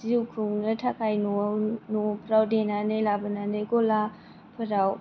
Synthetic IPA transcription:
ziukʰuŋnɯtʰakʰajnonopʰəɾawdenanejlabɯnanejɡɔla | pʰəɾaw

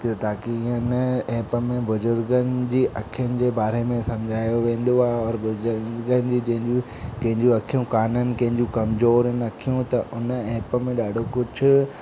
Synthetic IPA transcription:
k̪t̪ʰaːkĩnəɛ̃ːpəmẽbʊzʊɾɡənɪ̆d͡ʑiːʔɐkʰijʊnɪ̆d͡ʑeːbaːɾemẽsɐmd͡ʑʱaːjoʋẽːn̆d̪oaːɦeɔɾbʊzʊɾɾɡənɪ̆d͡ʑiːd͡ʑɐ̃ɦɪ̃ɲd͡ʑu | kɐ̃ɦɪ̃ɲd͡ʑũɐkʰijũkaːnənɪ̆kɐ̃ɦɪ̃ɲd͡ʑũkɐmzoːɾnɐkʰijũt̪ɐʔʊnəɛ̃ːpəmẽɗaːɖʱokʊd͡ʑʱʊ̆

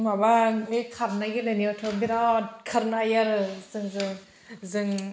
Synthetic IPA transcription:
mabaŋɯjkʰaɾnaɡilajniɔtʰɯwbiɾatkʰaɾnajaɾɯzɯŋzɯŋ | zɯŋ

